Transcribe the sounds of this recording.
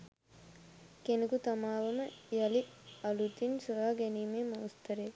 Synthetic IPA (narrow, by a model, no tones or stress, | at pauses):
kenukut̪ɐmaːʋɐmɐjɐliɐlut̪insɐɾaːɡenimemɐwst̪ɐɾe